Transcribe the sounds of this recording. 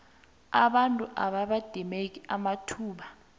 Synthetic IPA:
aɓantʼuʔaɓaɓad̥ʱimek̬ʼiamatʰuːɓa

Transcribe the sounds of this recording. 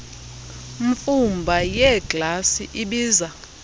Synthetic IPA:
ɱfumbʱajɛɡlasiʔiɓiːza

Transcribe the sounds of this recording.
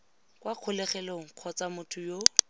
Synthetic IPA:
kwaq͡χʰʊlɛχɛloŋ̩q͡χʰɔt͡samʊtʰʊjo

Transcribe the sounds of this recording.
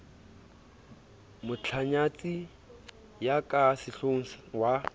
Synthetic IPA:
mʊt͡ɬʰaɲat͡sʼi | jakʼasɪɬoŋ̩swa

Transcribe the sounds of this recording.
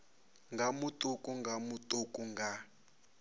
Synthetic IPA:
ŋɡʱamutʼukʼuŋɡʱamutʼukʼuŋɡʱa

